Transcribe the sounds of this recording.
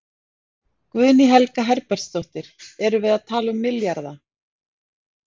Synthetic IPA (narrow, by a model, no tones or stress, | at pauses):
kvʏðniɦɛlkaɦɛɾpɛɾ̥st̪owht̪ɪɾ̥ɛɾʏvɪðaðt̪ʰaːlʏmːɪljaɾða